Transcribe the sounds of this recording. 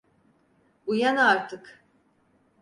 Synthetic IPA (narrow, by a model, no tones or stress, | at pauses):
ujanaɾt̪ʰɯk